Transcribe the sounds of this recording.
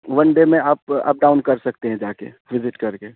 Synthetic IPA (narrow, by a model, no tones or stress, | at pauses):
ʋɐnɖemẽaːpa̰ːp̚ɖaːʊnkɐɾsɐk̚t̪eɦɛ̃d͡ʒaːkḛ | ʋɪzɪʈkɐɾkeː